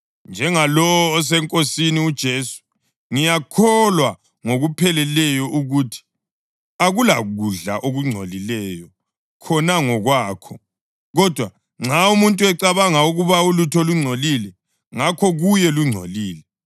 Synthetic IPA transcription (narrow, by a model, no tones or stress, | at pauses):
nd͡ʒʱɛŋalɔɔːs̬ɛŋkʼosiniud̥ʒ̥ʱeːsu̥ | ŋijakʰɔlwa | ŋoɣupʰɛlɛlɛjɔʔuɣutʰi̥ | aɣulaɣuɮa̰ʔoɣuŋ͡ǀʱo̰lilɛːjɔ | kʰɔnaŋɔɣwaːkʰɔ | ɣɔd̥ʱwa | ŋ͡ǁʱaumuntʼuɛǀaβaŋauɣuβaulutʰɔluŋ͡ǀʱolilɛ | ŋakʰɔɣujɛluŋ͡ǀʱo̰liːlɛ